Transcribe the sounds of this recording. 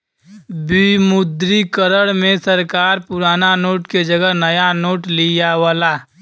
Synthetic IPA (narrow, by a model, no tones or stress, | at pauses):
bimʊd̪ɾikəɾəɽmẽsəɾkaːɾpʊɾaːnanoːʈked͡ʒəɡəɦnɐjanoːʈlijaʋaːlaː